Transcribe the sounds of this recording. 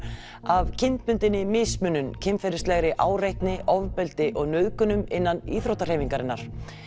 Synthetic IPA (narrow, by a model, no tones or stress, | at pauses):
avcʰɪnt̪mʏnt̪ɪnːɪmɪsmʏnːʏmcʰɪmfɛɾɪst̪lɛɣɾɪʔaːwɾejht̪nɪʔɔvpɛlt̪ɪʔɔɣnœðkʏnʏmɪnːanḭːθɾowht̪ar̥heːjviŋkaɾɪnːaɾ̥